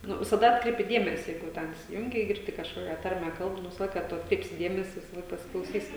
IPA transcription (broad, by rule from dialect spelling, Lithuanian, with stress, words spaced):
ˈnʊ ʋʲɪsɐˈdɐ ˈɑːtkrʲɛɪpʲɪ ˈdʲeːmʲɛsʲɪ ˈjɛɪɡʊ jɛʊ ˈtʲɛn ɪsʲɪˈjʊŋʲɡʲɪ ɪ ɡʲɪrʲˈdʲɪ kɐʃˈkoːkʲɛ ˈtɐrʲmʲɛ ˈkɐlˠp nʊ ˈʋʲɪsɐ ˈlˠɐɪkɐ ˈtʊ ɐtkˈrʲɛɪpʲsʲɪ ˈdʲeːmʲɛsʲɪ ʋʲɪsɐˈlˠɐɪk pɐsʲɪklˠɐʊˈsʲiːsʲɪ